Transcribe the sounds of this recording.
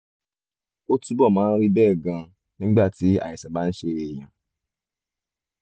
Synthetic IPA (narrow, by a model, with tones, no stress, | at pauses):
o˦tu˦bɔ˦˨mãː˨˦ɾi˦bɛː˦˨ɡã˧ | nĩ˦ɡ͡ba˦˨ti˨˦a̰˨i˨sa˨ba˦n̩˦ʃe˧˦e˨j̃ã˨